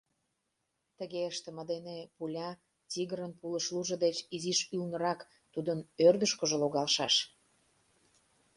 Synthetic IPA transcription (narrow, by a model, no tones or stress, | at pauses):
t̪əɣeəʃt̪ə̆mə̆d̪enepulʲɑ | tʲiɣəɾənpuləʃluʒə̆d̪et͡ɕiziʃylnəɾɑk | t̪ud̪ənørd̪əʃkoʒoloɣɑlʃɑʃ